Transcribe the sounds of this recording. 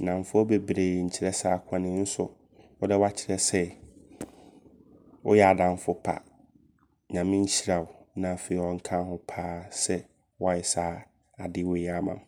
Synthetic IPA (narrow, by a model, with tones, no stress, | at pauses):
nã˨m˨fʊ˦ɔ˦be˦bɾeː˨ɲ̩˨t͡ɕʰɪ˦ɾɛ˦saː˦kʰã˦nɪ̃˨˦n̩˦sʊ˦ | wɔ˦dɛ˦wa˦t͡ɕʰɪ˨ɾɛ˦sɛ˦ | wɔ̰˦jɛ˦˨a˨dã˨ɱ˦fʊ˦pʰa̰˨ | ɲã˨mɪ̃˦ɲ̩˦ɕi˦ɾa˨ʊ˨nã˨fe˨i˨ɔ̃˨ŋ̩˨kʰã˦hʊ̃˦pʰaː˦sɛ˦ | wɔ˦jɛ˨saː˦ | a˨dɪ˦we˨˦a˦mã̰˨